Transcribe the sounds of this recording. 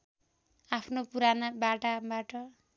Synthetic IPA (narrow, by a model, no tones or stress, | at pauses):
apʰnopuɾanabaʈabaʈʌ